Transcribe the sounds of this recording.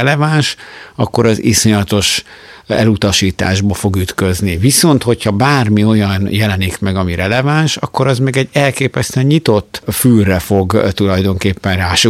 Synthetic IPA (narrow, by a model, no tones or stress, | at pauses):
ɛlɛvaːnʃɒkːo̞ɾɒziso̞ɲɒt̪o̞ʃ | ɛ̰lut̪ɒʃiːt̪a̰ːʒbɒfo̞ɡyt̪køzniviso̞nt̪ho̞chɒbaːrmio̞jɒnjɛlɛnikmɛɡɒmiɾɛlɛvanʃɒkːo̞ɾɒzmɛɡɛɟːɛlkeːpɛst̪ɛɲɲit̪o̞t̪ːfyrɛfo̞ɡt̪ulɒjd̪o̞ŋkeːpːɛnraːʃo